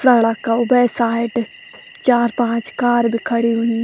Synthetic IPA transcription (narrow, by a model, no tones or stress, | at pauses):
səlakaʊbəːsaːɪʈ | t͡ʃaːɾpãːt͡ʃkaːɾbʱikʰəɽiɦʊĩ